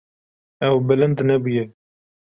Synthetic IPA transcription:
ɛwbɪlɨnd̪nɛbujɛ

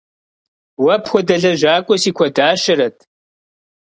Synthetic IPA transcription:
wɐpʰxʷɔdɐɮɐʒaːkʷʼɔsiːkʷʰɔdaːʃɪɾɐtʰʼ

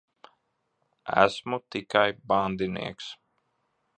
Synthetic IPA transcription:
æ̰smut̪ikajband̪inḭɛks

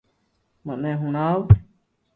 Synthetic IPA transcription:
mãnẽɦũñãw

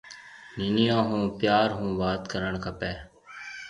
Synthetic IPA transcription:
niːnijãːɦũːpjaːɾɦũːʋaːt̪kəɾəɳkʰəpɛː

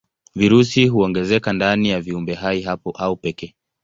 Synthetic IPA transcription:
viɾusiɦuɔŋɡɛzɛkandanijaviumbɛɦaiɦapɔʔaupɛkɛː

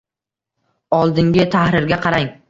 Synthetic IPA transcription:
ɒlˠd̪ɪŋɡʲɪt̪ʰahɾɪɾɡʲaqʰɑɾaŋ

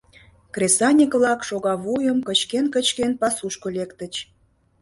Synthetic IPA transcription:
krʲesɑnʲikβlɑkʃoɣɑβujəmkət͡ɕkenkət͡ɕkenpɑsuʃkolekt̪ət͡ɕ

